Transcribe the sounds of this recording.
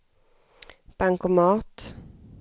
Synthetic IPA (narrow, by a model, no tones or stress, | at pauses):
b̥aŋkʊmɑːt̪